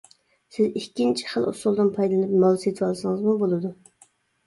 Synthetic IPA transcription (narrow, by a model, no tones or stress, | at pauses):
sɪzikʲːint͡ʃʰi̥χəlˠṵsulˠd̪ɨnpʰɑjd̪lˠɨnɨp̚mɑlˠset̪ʰwɑlˠsɨŋɨzmubolˠɨd̪u